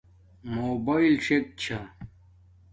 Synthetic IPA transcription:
moːbɐilʂek̚t͡ɕʰa

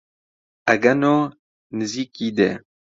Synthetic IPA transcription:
aɡano | nəzikid̪ḛ

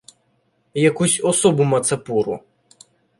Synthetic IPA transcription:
jɐkusʲɔsɔbʊmɐt̪sɐpuɾʊ̰

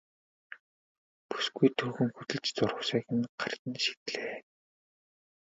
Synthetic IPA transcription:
pu̥sɡujt̪ʰɵːxɘ̆ŋxut̪ɘ̆ɮt͡ɕt͡sʊrə̆wsæːxɪ̆nɢa̰rt̪ə̆nʃi̥t̪ɮeː

